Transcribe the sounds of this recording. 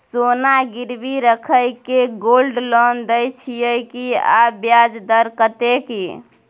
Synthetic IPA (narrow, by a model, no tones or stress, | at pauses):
sonaɡiɾbiɾəkʰəjkeɡolɖlɔnd̪əjt͡ʃʰijəjkia̰bjad͡ʒd̪əɾkət̪eki